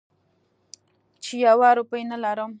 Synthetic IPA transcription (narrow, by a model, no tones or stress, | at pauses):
t͡ʃijawaɾʊpəjnəlaɾəm